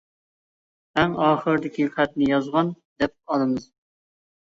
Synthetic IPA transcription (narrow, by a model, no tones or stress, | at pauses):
æŋɑːχəɾɨd̪ɪkʲʰiχæt̪̚nɪjɑzʁɑnd̪ɛp̚ɑlˠɨmɨz